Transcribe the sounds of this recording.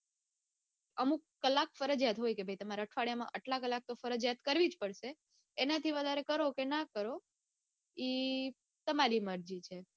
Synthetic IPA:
əmũkkːəlːakfəɾəd͡ʒjat̪ɦojkebʱajt̪əmaɾaəʈʰʋaɭjamã̰ʔəʈlakəlːak̚t̪ofəɾəd͡ʒjat̪kəɾʋid͡ʒpəɽʃeː | nat̪ʰiʋəd̪ʱaɾekəɾokenakəɾo | i | t̪əmaɾiməɾd͡ʒit͡ʃʰe

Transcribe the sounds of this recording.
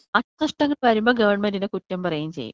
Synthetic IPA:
ɐɐnɐʂʈɐŋːɐɭʋɐɾumbo̞ːɡɐʋɐrɳmendindekutːɐmpɐrɐjamt͡ɕe̞̰jːṵ

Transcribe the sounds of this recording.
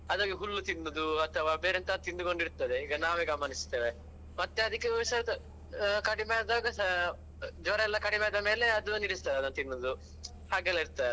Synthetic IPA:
ɐd̪ɐːɡiɦulːut̪inːud̪uɐt̪ʰɐʋaːbeːɾent̪ɐt̪ind̪uko̞ɳɖiɾt̪ːɐd̪eiːɡɐnaːʋeɡɐmaːnist̪eːʋe | mɐt̪ːeɐd̪ɐkːesɐ | kɐɽimaːd̪aːɡɐ | d͡ʒɔɾɐɛlːɐkɐɽimaːɐd̪ɐme̞ːleɐd̪uniɽist̪ɐːd̪ɐd̪ɐnt̪inːud̪u | haːɡɛlɐiɾt̪aː

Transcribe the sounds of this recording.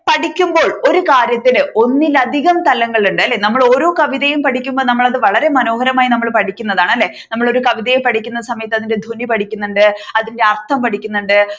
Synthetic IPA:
pɐʈikʲːumbo̞ːɭo̞ɾukaːɾjɐt̪ːilɨʔo̞nːilɐd̪ʱiɣɐmt̪ɐlɐŋːɐɭuɳɖɨɐlːe̞nɐmːɐɭo̞ːɾo̞ːkɐʋiðɐjumpɐʈʰikʲːumboːɭnɐmːɐɭɐðɨʋɐɭɐɾe̞mɐno̞ːɦɐɾɐmaːjinɐmːɐɭpɐʈʰikʲːunːɐðaːɳɐlːe̞ | nɐmːɐɭo̞ɾukɐʋiðɐjumpɐʈʰikʲːunːɐsɐmɐjɐt̪ːɐðinde̞d̪ʱunipɐʈʰikʲːunːuɳɖɨɐðinde̞ɐrt̪ʰɐmpɐʈʰikʲːunːuɳɖɨ

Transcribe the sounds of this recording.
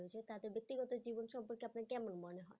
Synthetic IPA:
oet͡ɕʰet̪ad̪eɾbek̚t̪iɡɔt̪od͡ʑibonʃɔmpoɾkeapnaɾkɛmonmɔneɦɔe

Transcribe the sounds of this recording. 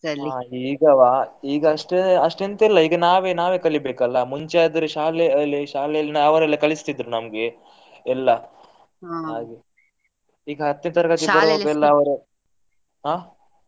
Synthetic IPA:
sɐlːiaːiːɡɐʋaːiːɡɐɐʂʈeɐʂʈent̪ɛlːɐiːɡɐnaːʋeːnaːʋe̞ːkɐɭibeːkɐlːɐmuɲt͡ʃaːd̪ɐɾeʃaːlejɐlːiʃaːlɛjɐlnɐɐʋɐɾɐlːɐkɐɭist̪id̪ɾunɐmɐɡe | ɛlːɐ | aːɡe | iːɡɐɦɐt̪ːint̪ɐɾɐkat̪it̪ːɐɾɐbɐɛlːɐɐʋɐɾu | ɦaː

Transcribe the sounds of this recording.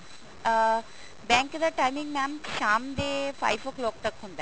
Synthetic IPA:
bɛːŋkd̪ɐʈɐjmiŋɡmaːmʃaːmd̪eːfʰɐ̰jfʰokloːk̚ʈ̪ɐkʰːund̪a

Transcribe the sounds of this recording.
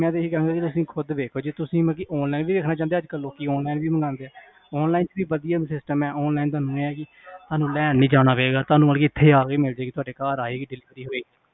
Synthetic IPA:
mɛ̃ːt̪̬eːɦiːkɛãːɡaːkit̪ʊsĩːkʰʊd̪ʋeːkʰoːd͡ʒeːt̪ʊsĩːmə̃k̬ɪʔɔːnlaːinʋiːʋeːkʰnaːt͡ʃãːnd̪eːəd͡ʒkəlːoːkiɔːnlaːinʋiːməŋɡãːnd̪eːɛː | ɔːnlaːɪnt͡ʃʋiːbəd̪ijaːsɪsʈəmɛːʔɔːnlaːint̪ʊaːnũːeːɛːkɪ | t̪aːnũːlɛːnːĩːd͡ʒaːɽ̃aːpeːɡaːt̪ʊaːnũːəːlkiɪt̪ʰːeːaːɡeːmɪld͡ʒeːkɪt̪ʊaːɖeːkaːɾaːeːkiɖɪlɪʋɾiːɦoːeːɡ

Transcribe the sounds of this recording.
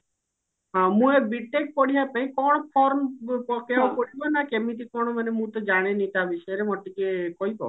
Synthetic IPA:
ɦãmũebiʈek̚pɔɽ̤iɦapaĩkɔɽ̃ɔpʰɔɾmpɔkeawpɔɽibɔnakemit̪̬ikɔɽ̃ɔmanemũt̪ɔd͡ʒaɽ̃enĩt̪abiʃɔjɔɾemɔʈikekɔɦibɔ̰

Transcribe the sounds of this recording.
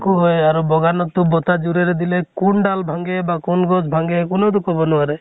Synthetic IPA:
kuɦojaɾɔbɔɡanɔt̪ubɔt̪ad͡ʒuɾeɾed̪ilekunɖalbʱaŋɡebakunɡɔd͡ʒbʱaŋɡekunɔɾukɔbɔnuaɾe

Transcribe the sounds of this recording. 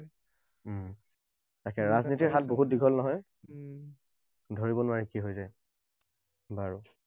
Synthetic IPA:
takɛɹaznitiɹɦat̚boɦut̚diɡʱɔlnɔɦɔj | dʱoɹibɔnʊwaɹikiɦojzaj | baɹu

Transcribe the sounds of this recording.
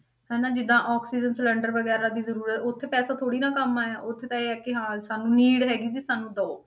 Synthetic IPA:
hɛːnaːd͡ʒɪd̪ãːʔɔːksiːd͡ʒənsələɳɖəɾʋəɡɛːɾãːd̪iːzəɾuːɾət̪ʰʊt̪ʰːeːpɛːsaːt̪ʰoːɽiːnãːkəmaːɛːʔʊt̪ʰːeːt̪ãːeːɛːkɪɦãːsaːnũːniːɽɦɛːɡiːd͡ʒiːsaːnːũːd̪ɔoː

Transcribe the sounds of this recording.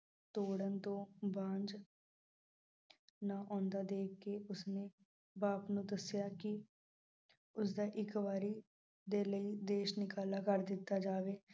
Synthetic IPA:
t̪oːɽənt̪õːbãːnd͡ʒ | naːʔɔ̃ːnd̪aːd̪eːkːeːʊsneː | baːpnũːd̪əsjaːkɪ | ʊsd̪aːʔɪkʋaːɾiː | d̪eːləiːd̪eːʃnɪkaːlaːkəɾd̪ɪt̪ːaːd͡ʒaːʋeː

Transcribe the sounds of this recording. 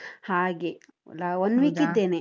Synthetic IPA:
haːɡe | laond̪ʋiːkid̪ːeːne

